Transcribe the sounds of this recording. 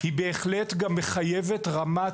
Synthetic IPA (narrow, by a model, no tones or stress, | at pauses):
hibe̞ːχletɡamːe̞χajeve̞tʁama